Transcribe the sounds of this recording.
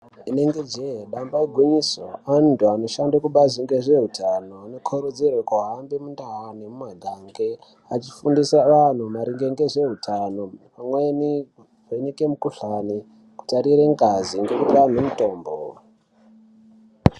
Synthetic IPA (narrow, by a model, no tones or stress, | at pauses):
ine̞ŋɡe̞d͡ʒeeɗambaeɡʱuɲiso̰antʰuano̞ʃandakuɓaziŋɡeʐe̞ɦutʰano̞ano̞kʰoɾud͡zirwakuɦambemundaɦanemumweɡʱaŋɡe | at͡ʃi̥fundisaʋan̤umaɾiŋɡeŋɡe̞ʐe̞ɦutʰano̞pamweni | enikemukuɬani | ku̥taɾiɾeŋɡaziŋɡe̞kutian̤umuto̞ːmbo